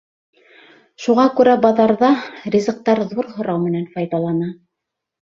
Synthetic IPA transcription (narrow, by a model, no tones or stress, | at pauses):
ʃuʁɑkʉɾæbɑðɑɾðɑrʲizɤ̆q̚t̪ɑɾðuɾɦŏɾɑwmɘ̆nænfɑjðɑlˠɑnɑ